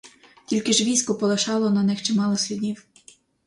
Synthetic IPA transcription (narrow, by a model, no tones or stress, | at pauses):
tʲilʲkɪʒʋʲijsʲkʊpɔlˠeʃɑlˠɔnɐnɪxt͡ʃɪmɑlˠɔsʲlʲʊdʲiw